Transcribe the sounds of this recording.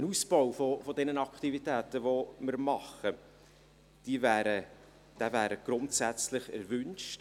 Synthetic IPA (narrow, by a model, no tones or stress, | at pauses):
ənuːsb̥ɔwfɔfɔdɛnənɑkχtivitæːtəvomɪɾmɑχə | d̥iːvæːɾə | d̥ævæːɾəɡ̥ɾʊntsæt͡slɪχɛ̰ɾvʏnʃt